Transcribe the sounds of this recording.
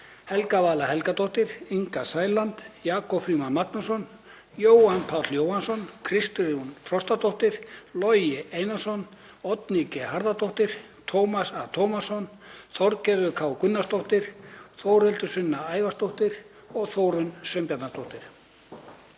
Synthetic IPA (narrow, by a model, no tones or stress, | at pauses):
hɛlkavaːlaɦɛlkat̪ɔht̪ɪɾiŋkasaːjlant̪jaːkɔpfɾiːmanmaknasɔn | joːwanpʰaw̪ljowhansɔnkʰɾɪst̪ʏɾunfɾɔst̪at̪oht̪ɪɾ̥lɔjɪejnasɔn | ɔt̪nicɪhaɾðat̪oht̪ɪɾ̥ | t̪ʰowmasat̪ʰowmasɔnθɔɾcɛðʏkʰaːwkʏnːast̪oht̪ɪɾ̥θowɾɛlt̪ʏsʏnːaaːjvast̪oht̪ɪɾ | ɔɣθoːwɾʏnsœmpjat̪nast̪ʰoht̪ɪɾ̥